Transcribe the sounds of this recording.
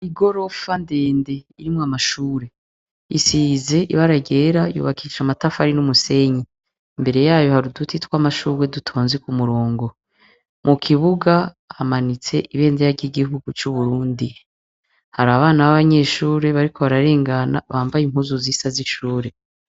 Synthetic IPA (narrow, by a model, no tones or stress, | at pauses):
iɡo̞ɾo̞fandeːnde̞iɾimŋamaʃuːɾe̞ | isize̞ʔiβaɾaɟe̞ɾajṵβakʰiʃamatafaɾinumuse̞ɲi | mbe̞ɾe̞jaːjo̞haɾudutʰitwamaʃuːɾwedutʰo̞ːnzekumuɾoːŋɡo̞ | mukʰiβuɡa | hamanit͡se̞ʔiβe̞ːndejaɟiɡiɦuɡut͡ʃuβuɾuːndi | haɾaaβaːnaβaβaɲeːʃuːɾe̞βaɾiko̞βaɾaɾe̞ːŋɡana̰βaːmbajim̥huzuziːsaziʃuːɾe̞